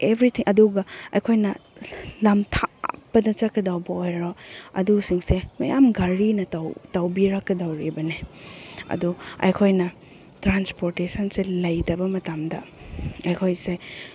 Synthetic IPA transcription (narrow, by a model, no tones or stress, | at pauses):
ebɾitʰiŋʔɐduɡɐɐjkʰojnɐlamtʰapːɐdɐt͡ʃakɐdawbɐojɾoɐ̰dusiŋsemɐ̰ja̰mɡaɾinɐtawtawbiɾakːɐdawɾibɐne | ɐ̰duɐ̰jkʰojnɐ | tɾanspoɾtesɐnselɐjtɐbɐmɐtamdɐ̰ɐjkʰojse